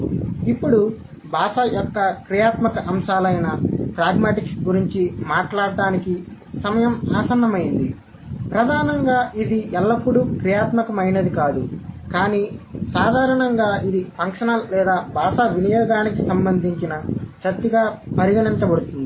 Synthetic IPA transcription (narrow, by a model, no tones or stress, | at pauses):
ipːuɽu | bʱaːʂɐjɔkːɐkɾijaːt̪mɐkɐʔɐmʂaːlɐjnɐpɾaːɡmaːʈiksɡuɾiɲt͡ʃimaːʈlaːɽɐɖaːniki | sɐmɐjɐmaːsɐnːɐmɐjind̪i | pɾɐd̪ʱaːnɐŋɡaːʔid̪iʔɛlːɐpːuɽukɾijaːt̪mɐkɐmɐjnɐd̪ikaːd̪ukaːniːsaːd̪ʱaːɾɐɳɐŋɡaːʔid̪ipɐŋkʂɐnɐllɛːd̪aːbʱaːʃaʋinijɔːɡaːnikisɐmbɐnd̪ʱiɲt͡ʃinɐt͡ʃɐɾt̪ːiɡaːpɐɾiɡɐniɲt͡ʃɐbɐɽut̪und̪i